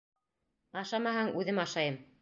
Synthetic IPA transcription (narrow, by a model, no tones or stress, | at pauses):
ɑʃɑmɑhɑŋʉðɘmɑʃɑjɤm